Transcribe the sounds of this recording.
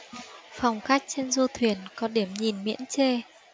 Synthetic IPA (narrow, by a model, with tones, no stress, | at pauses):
fa˨˩wŋ͡mxa˦˥jk̟̚t͡ɕe˧nzu˧t̪ʰwi˧˩ənkɔ˨˦ɗi˧˩əmɲi˨˩nmḭ˧˥ənt͡ɕe˧